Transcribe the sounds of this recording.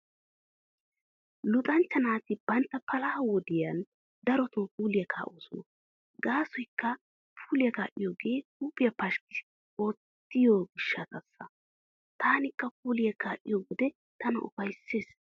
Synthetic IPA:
lʊt̪ʼɐnt͡ʃːɐnaːt̪ɪb̥ɐnt̪ːɐpɐlaːwɔd̪ɪjɐn | d̪ɐɾɔt̪oːpuːlɪjɐkʰa̰ːʔosʊn | ɡaːsɔjkːɐ | pʰuːlɪjɐkaːʔɪjoːɡe̞ːkuːpʼːɪjɐpɐʃkɪ̥ | oːt̪ːɪjoːɡɪʃːɐt̪ɐsːɐ | t̪aːnɪkːɐpuːlɪjɐkaːʔɪjoɡɔd̪ɛ | t̪ɐnɐ̰ʔʊ̰fɐjsːe̞ːs

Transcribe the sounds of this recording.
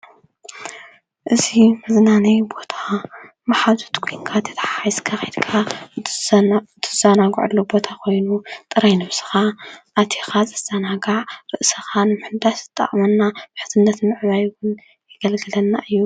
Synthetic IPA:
ʔɨzimɐznanɐjbo̞t̪ʰḁ | maħazu̥t̪kʷʰojnkʰat̪ʰɐ̥t̪ʰɐ̥ħaajskʰaxid̪kʰa | d̪ʰɨzanaɡʊ̰ʕɨ̰lːubo̞t̪ʰakʰo̞jnut̪ʼɨɾajnɨβsɨ̥xaʔat̪ʰexazɨsʰɐnaɡaʕɾɨʔsɐxanɨmɨħɨnd̪aʃzɨt̪ʼːɐ̰χʼmɐnːabɨħɨ̥t̪ʰɨnːɐt̪mɨʕmajwʊn | jɪɡɐlɡɨlɐnːaʔɨjːu

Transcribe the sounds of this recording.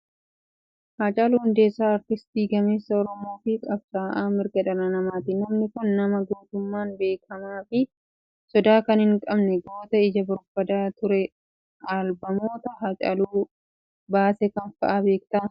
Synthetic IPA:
hɐt͡ʃʼɐluːhʊnd̪e̞ːsːaːɐɾt̪ɪst̪iːɡɐmeːsːɐɔɾɔmo̞ːfɪkʼɐbsaːʔaːmɪɾɡɐᶑɐnɐnɐmaːt̪ɪnɐmnɪkʊnːɐmɐɡoːt̪ʊmːaːnbe̞ːkʰɐmaːfɪ | sɔd̪aːkɐnhɪŋkʼɐbnɛɡo̞ːt̪ɐɪd͡ʒɐbʊɾb̥ɐd̪aːt̪ʊɾɛ | aːlbɐmo̞ːt̪ɐɦɐt͡ʃʼɐ̰luː | baːsɛkɐnfɐʔaːbe̞ːkt̪ɐ

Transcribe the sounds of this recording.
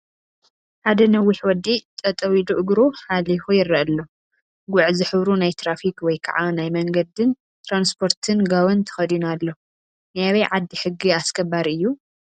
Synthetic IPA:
ħad̪ɐnɐwːiħwɔd̪ːit̪ʼɐt̪ʼɐwiluʔɨɡɾuħalifujɪrːɐʔɐlːo | ɡʊʕzɨħɨβɾunajt̪ʰɾafikwɔjkʰa̰ʕanajmɐŋɡɐd̪ɨn | t̪ɾanspʰo̞ɾt̪ʰɨnɡaβɐnt̪ʰɐ̥xɐd̪unalːo | najaβɐjʕad̪ːiħɨɡːiaskʰɐβaɾɨjːu

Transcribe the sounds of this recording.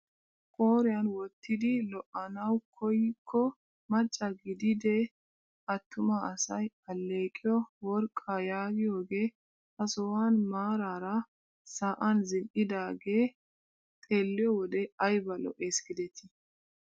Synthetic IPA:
kʼoːɾɪjɐnwɔt̪ːɪd̪ɪlɔʔɐnɐwkʰɔjɪkʰːɔ | mɐt͡ʃʼːɐɡɪd̪ɪd̪ɛ | ʔɐt̪ʰːʊmaɐsɐj | ɐlːe̞ːkʼɪjɔwɔɾkʼːajaːɡɪjoːɡe̞ː | ɐsɔwaːnmaːɾaːɾɐ | saːʔɐnzɪlʔɪd̪aːɡeː | t̪ʼeːlːɪjɔwɔd̪ɛɐjbɐlɔ̰ʔeːsɡɪd̪ɛt̪ʰɪ

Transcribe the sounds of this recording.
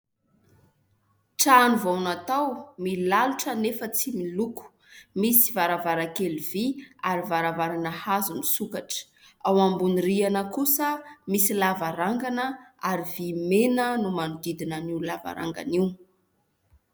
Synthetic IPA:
ʈ͡ʂanuvawnat̪awmilaluʈ͡ʂənefət͡similuku̥ | misivaɾavaɾakeliviaɾivaɾavaɾanəhazunisukaʈ͡ʂə̥ | awambunirianəkusəmisilavaɾaŋɡanəaɾivimenənumanud̪id̪inaniwlava̰ɾa̰ŋɡa̰niw

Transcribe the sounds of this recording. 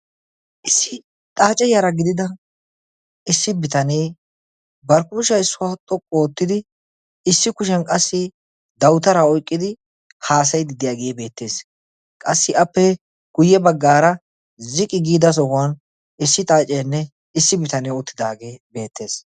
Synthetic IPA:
ʔɪsːɪ | t̪ʼaːt͡ʃʼɛjaɾɐɡɪd̪ɪd̪ɐ | ɪsːɪbɪt̪ɐneː | bɐɾkuːʃɐɪsːʊwat̪ʼɔkʼːoːt̪ːɪd̪ɪ | ɪsːɪkʊʃ̬ɛnkʼɐsːɪ | d̪ɐwt̪ɐɾaɔjkʼːɪd̪ɪ | haːs̬ɐjd̪ɪd̪ɪjaːɡeːbe̞ːt̪ːe̞ːs | kʼɐsːɪɐpːɛ | ɡ̥ʊjːɛbɐɡːaːɾɐ | zɪkʼːɪɡiːd̪ɐs̬ɔhʊan | ɪsːɪt̪ʼaːt͡ʃʼenːɛ | ɪsːɪbɪt̪ɐneːɔt̪ːɪd̪aːɡeːbe̞ːt̪ːe̞ːs

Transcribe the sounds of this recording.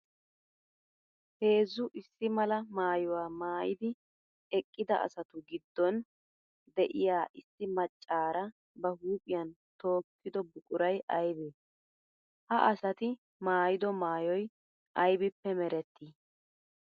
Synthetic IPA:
he̞ːzːʊʔɪsːɪmɐlɐmaːjɔwaːmaːjɪ̰d̪ɪ | ɛkʼːɪd̪ɐ̰ʔɐ̰sɐt̪ʊɡɪd̪ːɔn | d̪ɛʔɪjaːʔɪsːɪmɐt͡ʃʼːaːɾɐ | bɐhuːpʼɪjɐn | t̪o̞ːkːɪd̪ɔbʊkʼʊɾɐjʔɐjbeː | hɐʔɐsɐt̪ɪ | maːjɪd̪ɔmaːjɔj | ʔɐjbɪpːɛmɛɾɛt̪ʰːiː

